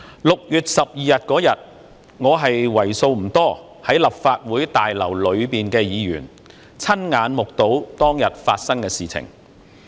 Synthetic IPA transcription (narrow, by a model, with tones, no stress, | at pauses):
lʊ˨k̚jyː˨t̚sɐ˨p̚jiː˨˧jɐ˨t̚kɔː˨˥jɐ˨t̚ | ŋɔː˨˧ɦɐ˨jwɐ˨˩jso˧wm̩˨˩t̪ɔː˥ | hɐ˨˥jlɐ˨p̚faː˧t̚wuː˨˥jt̪aː˨jlɐ̰˨˩wlɵ˨˧ɥpiː˨nkɛː˧jiː˨˧jy̰ː˨˩n | t͡sʰɐ˥nŋaː˨˧nmʊ˨k̚t̪o˨˥wt̪ɔː˥ŋjɐ˨t̚fa̰ː˧t̚sɐ˥ŋkɛː˧siː˨t͡sʰɪ̰˨˩ŋ